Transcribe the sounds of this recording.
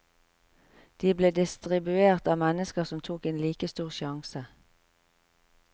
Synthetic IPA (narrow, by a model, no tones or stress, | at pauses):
d̪̥iːbleːd̪ɪst̪ʁɪbʉeːʁt̪ɑːmɛnəskəʁsɔmt̪ʰuːkeːnliːkəst̪uːʁʃɑŋsə